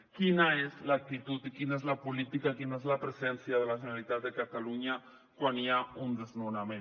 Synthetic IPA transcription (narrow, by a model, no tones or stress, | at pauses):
kinaezlak̚t̪it̪ut̪ikinaezlapulit̪ikakinaezlapɾezɛnsjað̞əlaʒənalit̪at̪̚d̪əkat̪aluɲa | kwaniaund̪eznunamẽn